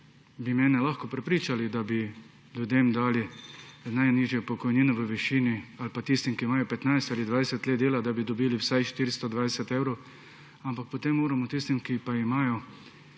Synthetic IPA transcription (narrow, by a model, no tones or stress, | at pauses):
bimɛːnɛlaxkɔpɾɛpɾiːt͡ʃalid̪abi | ljud̪eːmd̪aːlinajniːʒjɛpɔkɔjniːnɔʋəʋɛʃiːnialpat̪ist̪imkiːmaːjɔpɛt̪najst̪aːlid̪ʋajsɛt̪leːd̪d̪eːlad̪abid̪ɔbiːliwsajʃt̪iːɾist̪ɔd̪ʋajsɛt̪eːwɾow | ampak̚pɔt̪emːoːɾamɔt̪ist̪imkipaimaːjɔ